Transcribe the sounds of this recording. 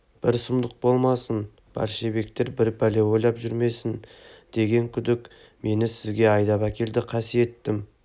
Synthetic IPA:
b̥ɪɾsʊmd̪əq̚bo̞lˠmɑsən | b̥æ̰ɾʃebe̞kt̪e̞ɾbɪɾbæle̞wo̞jlˠɑpʒʏɾme̞sɪnd̪̥e̞ɡʲe̞ŋkʲʰʏd̪ɪk | me̞nɪsɪzɡʲe̞ɑjd̪ɑpækʲʰe̞ld̪ɪqʰɑsije̞t̪ːɪm

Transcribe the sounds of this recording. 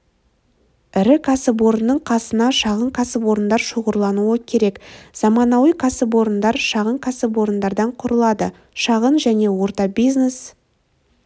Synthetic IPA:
ɪɾɪkʰɑsəbwo̞ɾənːəɴqʰɑsənɑʃɑʁəɴqʰɑsəpwo̞ɾənd̪ɑɾʃoʁəɾlˠɑnuəkʲʰe̞ɾe̞kz̥ɑmɑnɑwəqʰɑsəpwo̞ɾənd̪ɑɾʃɑʁəɴkʰɑsəbwo̞ɾənd̪ɑɾd̪ɑɴqʰʊɾəlˠɑd̪ə | ʃɑʁənʒæne̞wo̞ɾt̪ɑbijznes

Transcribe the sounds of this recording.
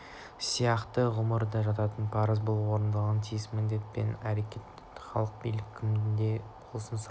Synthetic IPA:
sijɑqt̪əʁʊməɾd̪ɑʒɑt̪ɑt̪ənpʰɑɾəzbəlˠwo̞ɾənd̪ɑʁɑnt̪ʰijɪsmɪnd̪e̞t̪̚pe̞̰næɾekʲe̞t̪ | χɑlˠəq̚bijlɪkʲʰːɪmnd̪eqʰosənsɾ

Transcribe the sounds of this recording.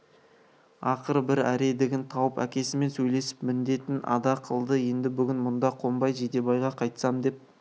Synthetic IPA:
ɑqəɾbɪɾæɾe̞d̪ɪɡʲɪnt̪ʰɑwəpæ̰kʲe̞sɪme̞nsɵjle̞sɪ̥pmɪnd̪e̞t̪ɪnɑ̰d̪ɑqʰəlˠd̪əje̞nd̪ɪbʏɡʲɪnmʊnd̪ɑqʰo̞mbɑjʒed̪e̞bɑjʁɑqʰɑjt̪sɑmd̪e̞p̚

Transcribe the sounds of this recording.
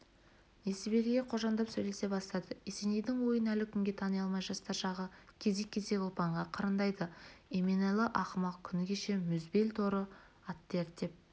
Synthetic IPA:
e̞sɪbe̞lʲɡʲeqʰo̞ʒɑnd̪ɑpsɵjle̞se̞bɑst̪ɑd̪əese̞nejd̪ɪŋwo̞jənælɪkʲʰʏŋɡʲe̞t̪ʰɑnəjɑlˠmɑjʒɑst̪ɑɾʃɑʁəkʲʰe̞ze̞kʲʰːe̞ze̞kʲolˠpɑɴʁɑqʰɑɾənd̪ɑjd̪əemenɑlˠəʔɑχəmɑqkʲʰʏnɪkʲʰeʃe̞mʏzbe̞lʲt̪ʰo̞ɾə | ɑt̪ːeɾd̪e̞p̚

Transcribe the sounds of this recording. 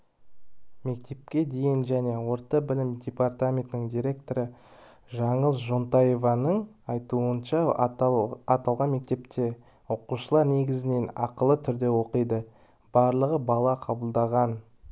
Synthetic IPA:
me̞k̚t̪ʰe̞p̚kʲe̞d̪e̞jɪnʒæne̞wo̞ɾt̪ɑbɪlɪmd̪ʲepart̪amʲe̞nt̪ɪnɪŋd̪ʲijɾʲe̞k̚t̪o̞ɾə | ʒɑɴəlˠʒont̪ɑje̞vɑnəɴɑjt̪uənʃɑ | ɑt̪ɑlˠʁɑnme̞k̚t̪e̞pt̪e̞ | wo̞quʃəlˠɑɾne̞ɡʲɪzɪne̞nɑ̰qəlˠət̪ʰʏɾd̪e̞wo̞qəjd̪ə | b̥ɑɾlˠəʁəbɑlˠɑqʰɑbəlˠd̪ɑʁɑn

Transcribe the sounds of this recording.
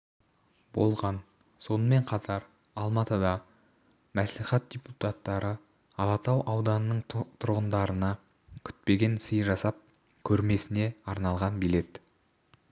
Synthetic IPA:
bo̞̰lˠʁɑn | so̞nəme̞ɴqʰɑt̪ʰɑɾ | ɑlˠmɑt̪əd̪ɑ | mæsliχæt̪̚d̥̪ʲeput̪at̪ːɑɾə | ɑlˠɑt̪ɑwʔɑwd̪ɑnənəɴt̪ʰʊɾʁənd̪ɑɾənɑ | kʲʰʏ̥t̪̚pe̞ɡʲe̞nsəjʒɑsɑp̚ | kʲʰɵɾme̞sɪne̞ɑɾnɑlˠʁɑnbile̞t̪

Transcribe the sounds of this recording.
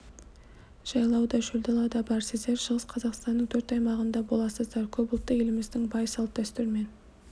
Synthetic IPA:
ʒ̥ɑjlˠɑwd̪ɑʒɵld̪ɑlˠɑd̪ɑbɑɾsɪzd̪e̞ɾʃəʁəsqʰɑzɑqst̪ɑnːəɴt̪ʰɵɾt̪ɑjmɑʁənd̪ɑbo̞lˠɑsəzd̪ɑɾkʲʰɵbʊlˠt̪ːəje̞lɪmɪzd̪ɪŋbɑjsɑlˠp̚d̪̥ʰæst̪ʏɾme̞n

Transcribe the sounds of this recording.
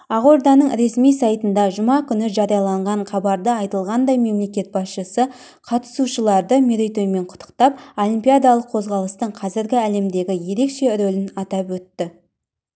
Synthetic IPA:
ɑʁoɾd̪ɑnəɴɾe̞smijsɑjt̪ənd̪ɑʒʊmɑkʲʰʏnɪʒɑɾijɑlˠɑɴʁɑɴχʰɑbɑɾd̪əɑjt̪əlˠʁɑnd̪ɑjme̞mle̞kʲe̞t̪̚bɑsʃəsə | qʰɑt̪ə̥suʃəlˠɑɾd̪əmeɾejt̪ojme̞ɴqʰʊ̥t̪ːə̥qt̪ɑp̚olʲˠimpijad̪ɑlˠəqʰːo̞zʁɑlˠəst̪əɴqʰɑzɪɾɡʲɪæle̞md̪e̞ɡʲɪje̞ɾe̞kʃe̞ɾolɪnɑt̪ɑpwɵt̪ːɪ

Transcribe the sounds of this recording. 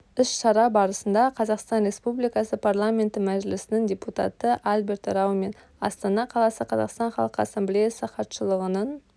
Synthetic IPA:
ɪsʃɑɾɑbɑɾəsənd̪ɑqʰɑzɑqst̪ɑnɾʲe̞spublijkɑsəpʰarlˠamʲe̞nt̪ɪmæʒɪlɪsɪnɪŋdʲe̞put̪ɑ̰t̪əʔalbʲe̞ɾt̪ɾɑwme̞n | ɑ̰st̪ɑnɑqʰɑlˠɑsəqʰɑzɑ̰qst̪ɑnχɑ̰lˠəqəasemblejasəχɑt̪ʃəlˠəʁənən

